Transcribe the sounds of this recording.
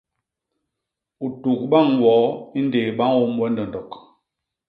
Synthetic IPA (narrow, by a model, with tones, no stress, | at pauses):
u˨tu˨k̚ɓa˦˨ŋwɔ˨˦i˦n˦de˨ɓa˦ŋwo˦mwɛ˦ndɔ˨n˨dɔ˨k